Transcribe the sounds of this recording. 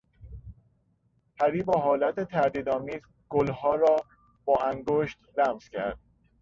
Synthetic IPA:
pʰæɾiːbɒːɦɒːlæt̪ʰet̪ʰæɾd̪iːd̪ɒːmiːz | ɡ̥olhɒːɾɒː | b̥ɒːæŋɡoːʃt̪læmz̥cʰæ̰ɾd̪̥̚

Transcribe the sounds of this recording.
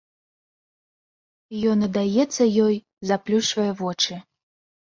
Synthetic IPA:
jɔnɐd̪ajɛt̪sːɐjɔj | zaplʲuʂvɐjɛvɔt͡ʂɨ

